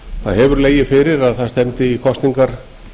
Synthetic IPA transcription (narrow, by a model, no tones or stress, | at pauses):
θaðɦɛvʏɾleːjɪfɪɾɪɾaðθaðst̪ɛmt̪ɪikʰɔst̪niŋkaɾ̥